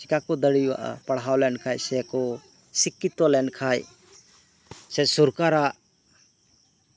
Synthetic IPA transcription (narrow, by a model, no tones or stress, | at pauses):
sikakɔd̪əɽijwa̰ʔpaɽɦawlɛnkʰajsɛkɔ | sikːit̪ɔlɛnkʰaj | sɛsuɾkaɾaʔ